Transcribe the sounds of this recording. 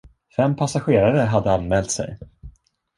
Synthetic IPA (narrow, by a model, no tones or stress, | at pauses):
fɛmpʰasaɧeːɾaɾəɦad̪ːəanmɛːlt̪sɛ̰j